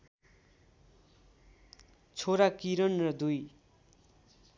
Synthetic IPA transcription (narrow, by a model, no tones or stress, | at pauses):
t͡sʰoɾakiɾʌnrʌd̪uj